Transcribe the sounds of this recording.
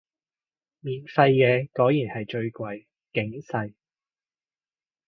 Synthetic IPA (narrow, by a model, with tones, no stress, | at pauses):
miː˨nfɐ˧jːɛː˨˧kɔː˨˥jjiː˨˩nhɐ˨jt͡ʃɵ˧ɥkʷɐ˧j | kɪ˨˥ŋsɐ˧j